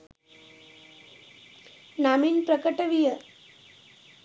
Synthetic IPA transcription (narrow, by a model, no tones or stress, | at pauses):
naminpɾəkəʈəʋijə